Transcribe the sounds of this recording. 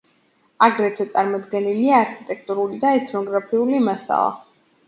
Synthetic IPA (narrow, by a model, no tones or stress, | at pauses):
aɡɾɛt̪ʰwɛt̪sʼaɾmɔd̪ɡɛniliaːɾkʰit̪ʼɛk̚ʰt̪ʼuɾulid̪aɛt̪ʰnɔɡɾapʰiulimasa̰lˠa̰